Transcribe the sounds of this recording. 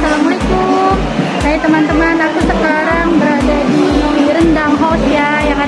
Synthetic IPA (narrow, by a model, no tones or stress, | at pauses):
salaməliku | kajat̪əmant̪əmanakusəkaɾaŋbəɾadadimaiɾəndaŋɦɔt̪ja | jaŋa